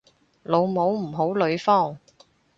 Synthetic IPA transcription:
lo˨˧wmo˨˥wm̩˨˩ɦo˨˥wlɵ˨˧ɥfɔː˥˩ŋ

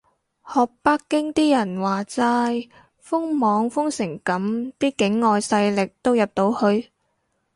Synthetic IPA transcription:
hɔː˨k̚pa˥kːɪ˥ŋt̪iː˥jɐ˨˩nwaː˨˩t͡saː˧j | fʊ˥ŋmɔː˨˧ŋfʊ˥ŋsɪ˨˩ŋkɐ˨˥mt̪iː˥kɪ˨˥ŋːɔː˨jsɐ˧jlɪ˨k̚t̪o˥wjɐ˨p̚t̪o˨˧˥whɵ˧ɥ

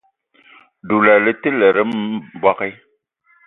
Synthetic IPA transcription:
du˨la˨lɨ˦tɨ˦lɛ˨ɾə˦m˦bwa˦ki˦

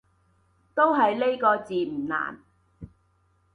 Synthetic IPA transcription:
t̪o˥wɦɐ˨jle˥jkɔː˧t͡siː˨m̩˨˩na̰ː˨˩n

